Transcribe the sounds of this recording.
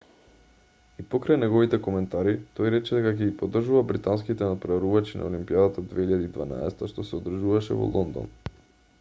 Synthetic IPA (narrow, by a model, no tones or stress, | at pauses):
ipɔkɾajnɛɡɔvit̪ɛkomɛnt̪aɾit̪ɔjɾɛt͡ʃɛd̪ɛkak̬ɛɡipod̪r̩ʒuvabɾit̪anskit̪ɛnapɾoaɾuvat͡ʃina̰olimpiad̪at̪ad̪vɛiʎad̪id̪va̰na̰ɛ̰sɛt̪aʃt̪ɔsɛod̪ɾ̩ʒuvaʃɛ̰vɔ̰lˠɔnd̪ɔ̰n